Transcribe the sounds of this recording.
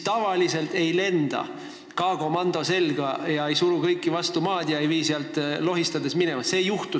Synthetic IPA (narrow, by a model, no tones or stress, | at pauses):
t̪ɑvɑlise̞lt̪e̞jle̞nd̪̥ɑ̰ | kɑːɡo̞mɑnd̪̥o̞se̞lɡ̥ɑjɑe̞jsuɾukɤjkːivɑst̪umɑːd̪̥jɑejviːseɑlt̪ˑlo̞ɦist̪ɑd̪e̞smine̞mɑse̞ːjuht̪u